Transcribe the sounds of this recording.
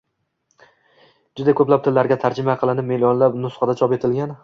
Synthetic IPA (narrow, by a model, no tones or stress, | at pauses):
d͡ʒʊd̪akʰɵplap̚t̪ʰɪlːaɾɡʲat̪ʰaɾd͡ʒɪmaqʰɨlˠɪnɪp̚meliɒnlapnʊsχɑd̪at͡ʃʰɒpe̞t̪ʰɪlɡʲan